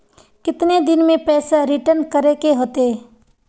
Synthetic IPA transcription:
kɪt̪ned̪ɪnmẽpɛːsaɾɪʈəɾnkɐɾekeɦoːt̪e

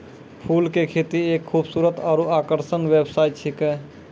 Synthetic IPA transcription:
pʰuːlkekʰeːt̪ieːkʰːuːbsuːɾət̪aːɾuaːkəɾʃənʋebsaːɪt̪̚t͡ʃʰikɦɛ

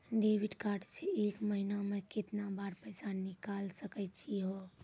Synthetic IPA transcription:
ɖeːʋɪɖkaːɾɖseeːkməɦinamẽkɪt̪nabaːɾpɛːsanɪkaːlsəkət͡ʃʰiɦoː

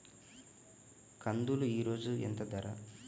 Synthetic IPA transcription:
kʰɐnd̪uluiːɾo̞ːd͡ʒuḛnt̪ɐd̪ɐɾɐ

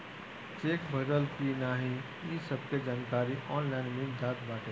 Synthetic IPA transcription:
t͡ʃeːkbʱəɾəlkinaːɦĩ | ĩsəb̚ked͡ʒaːnkaːɾiʔɔːnlaɪnmẽd̪aːd̪baːʈe

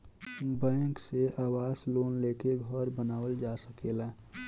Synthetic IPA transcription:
bɛ̃ːŋkseʔaːwaːsloːnleːkeɡʱɔɾbənaːwəld͡ʒaːsəkela

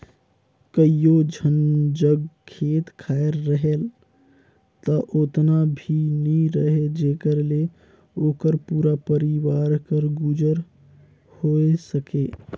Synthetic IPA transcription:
kəijod͡ʒʱənd͡ʒəɡkʰet̪kʰaeɾːəɦel | t̪əʔot̪nabʱinəɾəɦed͡ʒekəɾle | okəɾpuɾapəɾiʋaɾkəɾɡud͡ʒəɾ | hoesəke

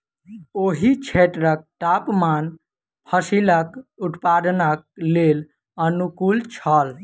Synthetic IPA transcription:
oɦit͡ʃʰeʈɾək̚ʈapman | pʰəsiləkuʈ̪pad̪nək̚lel | ənukult͡ʃʰəl

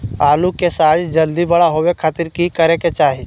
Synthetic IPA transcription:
aːlukesaːd͡ʒd͡ʒəld̪ibɐɽaɦowekʰaːt̪ɪɾkikəɾeket͡ʃaːɦid͡ʒ

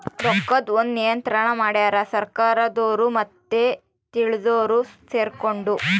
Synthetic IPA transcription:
t̪ɔkːɐd̪ond̪nijɐnt̪ɾɐɳɐmaːɽjaːɾɐsɐɾkaːɾɐd̪oːɾumɐt̪ːe | t̪iɭid̪oːɾuseːɾkoɳɖu

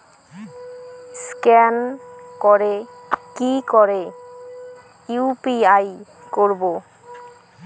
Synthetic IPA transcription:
skɛnkɔɾekikɔɾe | upiaj | koɾbo

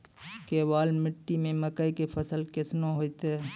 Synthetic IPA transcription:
kebaːlmɪʈːimẽməkəikepʰəsəlkɪsnõɦoːit̪eː

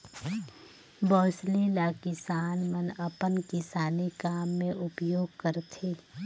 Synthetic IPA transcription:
bɔːslelakɪsaːnmənɐpənkɪsaːnekaːmːẽʔʊpjoːɡ̚kəɾt̪ʰeː

